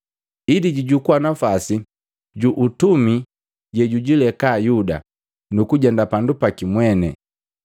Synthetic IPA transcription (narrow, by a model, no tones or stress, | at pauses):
idiɟiɟukuwanafasi | ɟuʔutumi | ɟɛɟuɟilɛkaːjuda̰ | nukuɟɛndapandupakimwɛnɛ